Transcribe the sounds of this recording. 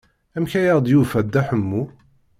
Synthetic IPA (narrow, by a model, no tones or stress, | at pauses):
æmçæjəʁd̪jufæd̪ːæħəmːu